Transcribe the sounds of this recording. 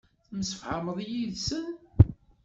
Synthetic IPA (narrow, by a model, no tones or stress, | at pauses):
θməsəfħəməðˤjiðsən